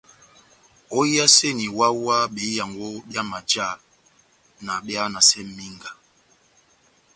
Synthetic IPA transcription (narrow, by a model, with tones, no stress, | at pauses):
o˦i˦a˦se˦ni˨wa˦wa˦ɓe˨˦ja˨ŋɡo˦bja˦ma˨d͡ʒa˦˨ | na˨ɓja˦na˨sɛ˦mi˦ŋɡa˨